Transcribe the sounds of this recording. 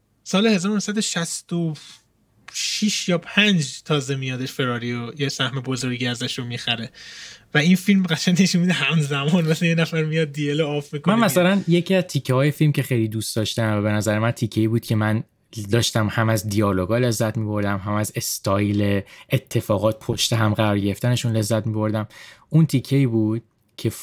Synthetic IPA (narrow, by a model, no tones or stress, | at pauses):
sɒːlehe̞zɒːɾonosæd̪oʃæst̪o | ʃiʃjɒːpʰænd͡ʒt̪ʰɒːzemijɒːd̪eʃfe̞ɾɒːɾiojesæhme̞bozoɾɟiæzæʃɾomixæɾevæinfilmɡæʃænːeʃunmbid̪eɦæmzæmɒːnmeslejenæfæɾmijɒd̪̚ːieloɒːfmikomænmæsælænje̞cʰiæzt̪ʰicʰːehɒːjefilmce̞xejliːd̪uːst̪d̪ɒːʃt̪æmvæbe̞næzæɾemænt̪ʰicʰːeiːbuːd̪̚cʰe̞mæn | d̪ɒːʃt̪æmhæmæzd̪ijɒːloɡɒːle̞zːæt̪miːbo̞ɾd̪æmɦæmæze̞st̪ʰɒjleet̪ʰːe̞fɒːɣɒːt̪̚pʰoʃt̪eɦæmɢæɾɒːɾɟe̞ɾeft̪æne̞ʃunle̞zːæt̪ʰmibo̞ɾd̪æmunt̪ʰicʰːeiːbuːd̪̥̚ | cʰe̞